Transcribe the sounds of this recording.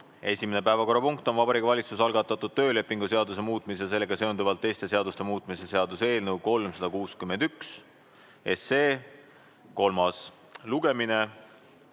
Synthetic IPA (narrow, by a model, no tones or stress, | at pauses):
e̞sʲimene̞p̬æevɑko̞rːɑpuŋkt̪o̞nvɑbɑɾikːˑɑvɑlʲit̪susɑlɡɑt̪ːˑɑt̪ːˑud̪̥̚t̪ø̞ːle̞pːˑiŋɡuse̞ɑd̪us̬e̞muːt̪ˑmis̬es̬e̞lːe̞ɡ̥ɑse̞ond̪uvɑlt̪ːe̞jst̪e̞seɑd̪ust̪e̞muːt̪ˑmise̞se̞ɑd̪use̞ːlnəwko̞lmsɑd̪ɑkuːskymːend̪̥yks | e̞seː | ko̞lmɑs | luɡ̥e̞mine